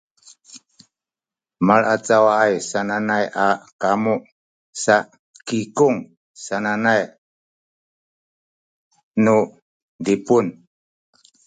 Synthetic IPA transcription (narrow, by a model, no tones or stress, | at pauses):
maɭat͡sawaajsananajʔakamu | saʔ | kikuŋ | sananaj | nu | dipun